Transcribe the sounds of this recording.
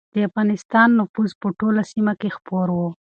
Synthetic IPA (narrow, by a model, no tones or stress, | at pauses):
d̪̥əafɣɑnɪst̪ɑnːʊfuzpəʈolasimakexpoɾwo